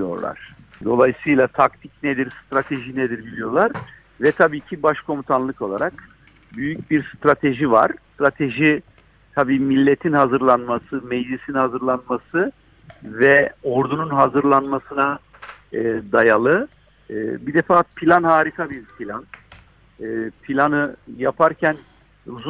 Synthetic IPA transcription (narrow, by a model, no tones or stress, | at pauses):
jo̞̰ɾlˠa̰ɾ̥d̪o̞lˠajsɯjlˠat̪ʰak̚t̪ʰicned̪iɾst̪ɾat̪ʰe̞ʒined̪iɾbilʲijo̞lˠaɾ̥ | vɛt̪ʰabiːcʰibaʃkʰo̞mut̪ʰanlˠɯko̞lˠa̰ɾak | byjycbiɾst̪ɾat̪ʰe̞ʒiva̰ɾ̥st̪ɾat̪ʰe̞ʒi | t̪ʰabiːmilʲːe̞t̪ʰinhazɯɾlˠanmasɯmed͡ʒlisinhazɯɾlˠanmasɯ | vɛo̞ɾd̪ununɦazɯɾlˠanmasɯna | d̪ajalˠɯ | bid̪efaːpʰilʲanhaːɾikʰabiɾpʰilʲanː | pʰilʲanɯjapʰaɾcʰæn | uzu